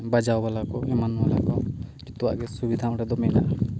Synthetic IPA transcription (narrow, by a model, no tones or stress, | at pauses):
bad͡ʒawbalakɔɛmanbalakɔd͡ʒit̪uwa̰ʔɡɛsubid̪ʱamɾɛd̪ɔmɛna̰ʔa